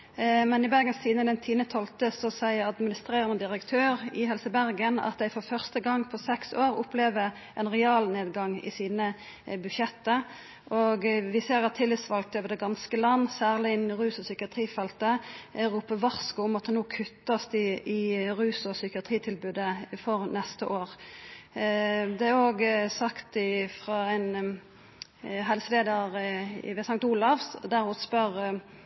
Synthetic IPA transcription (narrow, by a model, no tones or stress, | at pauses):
mɛnɪbæʁɡənst̪ʰiːd̪nəd̪ɛnt̪ʰiːnət̪ʰɔlt̪əsɔsæɪəɑd̪mɪnɪst̪ʁeːʁənəd̪ɪʁəkt̪ʰøːʁɪhɛlsəbæʁɡənɑ̰t̪̚d̪æɪfɔʁfœʁst̪əɡɑŋːpʰɔsɛksoːʁʊpleːʋə | ʔɛnʁɛɑːlneːd̪ɡɑŋɪ̰siːnə | bʉd̪ʃɛt̪ːə | ʔɔɡʋɪseːʁɑt̪ʰːɪlːɪt̪sʋɑlk̚t̪øːʋəʁd̪ɛɡɑnskəlɑnːsæːʁlɪnʁʉːsɔsʏkɪɑt̪ʰʁiːfɛlt̪əɾuːpəʋɑʁskʊʊmɑt̪hɑnoːkʰʉt̪ːəsd̪ɪɪʁʉːsɔsʏkɪɑt̪ʰʁiːt̪ʰɪlbʉːd̪əfɔʁnɛst̪əʔoːʁ | d̪ɛæoːɡəsɑkt̪ɪfʁɑɛn | ɦɛlsəleːd̪əʁʋɛsɑŋt̪ʊlɑʋsd̪æʁhʊspœʁ